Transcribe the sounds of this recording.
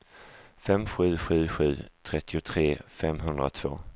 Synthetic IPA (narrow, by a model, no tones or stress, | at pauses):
fɛmɧʉ̟ːɧʉ̟ːɧʉ̟̰ːt̪ʰɾɛt̪ːɪʊt̪ʰɾeːfɛmɦɵnd̪ɾa̰t̪ʰv̥o̰ː